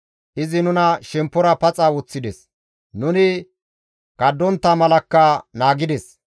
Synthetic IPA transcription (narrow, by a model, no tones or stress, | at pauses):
ʔɪzɪnʊnɐʃɛmpːɔɾɐpɐt͡sʼawʊt͡sːɪd̪ɛs | nʊnɪ | kɐd̪ːɔnt̪ːɐmɐlɐkːɐnaːɡɪd̪ɛs